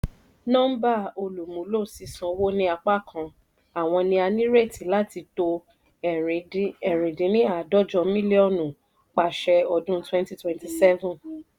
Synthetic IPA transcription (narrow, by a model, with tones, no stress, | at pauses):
nɔ̃˦m̩˦ba˦˨o˧lu˨mũ˨˦lo˦˨si˨˧sɔ̃˧wo˦nĩ˧a˧k͡pa˦˨kʰã˧˨ | a˨w̃ɔ̃˧nĩ˧a˧nĩ˦ɾe˦˨ti˨la˦ti˧to˧˨ | ɛ˨ɾĩ˨dĩ˨˦nĩ˦a˦˨dɔ˦d͡ʒɔ˧mĩ˦li˦ɔ˦˨nũ˨ | k͡pa˨ʃɛ˧ɔ˧dũ˦twɛ̃˦nti˦twɛ̃˨nti˨sɛ˦vũ˨n